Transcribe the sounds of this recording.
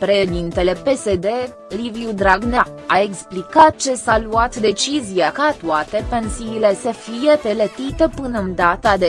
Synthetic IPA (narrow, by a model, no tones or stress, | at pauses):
pɾe̞ʃed̪int̪e̞le̞pe̞se̞d̪e̞ | livijud̪ɾaɡna | ae̞ksplikat̪̚t͡ʃe̞saluat̪d̪e̞t͡ʃizijakat̪uat̪e̞pe̞nsiːle̞səfije̞pe̞lət̪it̪əpɨnəɨnd̪at̪ad̪e